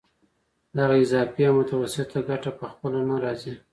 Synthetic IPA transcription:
d̪aɣaɪzɑfijamʊt̪awasɪt̪aɡaʈapəxpəlanaɾɑzi

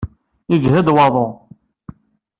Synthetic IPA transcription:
id͡ʒɦæd̪wɑðˤo

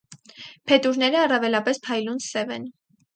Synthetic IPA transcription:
pʰɛt̪uɾnɛɾəɑrɑvɛlɑpɛspʰɑjlunsɛvɛ̰n

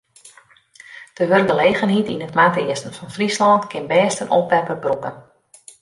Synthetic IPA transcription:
d̥əʋørk̚dəlejɣənɦitinətmaːtɪəstən̩fɔnfrislɔntkʰɪnbɛːstənʔopʋɛrpərbrukən

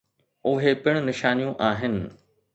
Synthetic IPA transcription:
ʊɦepɪɽ̃ʊnɪʃaːnijũʔaːɦɪnɪ̆

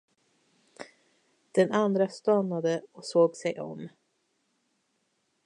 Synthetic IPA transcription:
d̪̥ɛnand̪ɾast̪ɑnad̪əɔsoːɡsɛjʔɔ̰m

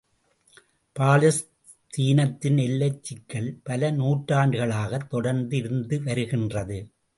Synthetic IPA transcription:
paːlɐs | t̪ʰiːnɐt̪ːɪnɛlːɐt͡ʃːɪkːɐɭpɐlɐnuːʈraːɳɖɯɣɐɭaːɣɐt̪ːɔɽɐɾnd̪ɪɾɯnd̪ɯʋɐɾɯɣɪndrɐðɯ

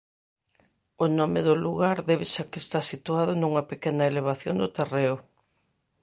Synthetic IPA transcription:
ʊnɔmeðʊluɣaɾðɛβesakest̪asit̪uaðʊnuŋɐpekɛnɐeleβ̞aθjoŋd̪ʊt̪ereʊ

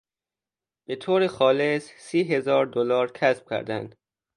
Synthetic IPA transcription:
b̥et̪ʰoːɾexɒːle̞ssiːɦe̞zɒːɾd̪olɒːɾkʰæsb̥̚cʲʰæ̰ɾd̪æ̰nd̪̥

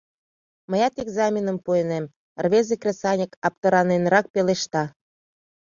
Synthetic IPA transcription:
məjɑt̪eɡzɑmʲinəmpuenem | rβezekrʲesɑnʲikɑp̚t̪ə̆ɾɑnenɾɑk̚peleʃt̪ɑ

